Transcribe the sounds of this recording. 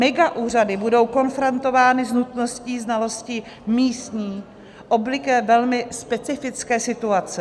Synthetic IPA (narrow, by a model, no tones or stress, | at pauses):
mɛɡaʔuːr̝adɪbudo̞wko̞nfɾont̪o̞vaːnɪznut̪no̞sciːznalo̞scɪ | miːst̪ɲiː | ʔo̞blɪkɛːvɛlmɪspɛt͡sɪfɪt͡skɛːsɪt̪uat͡sɛ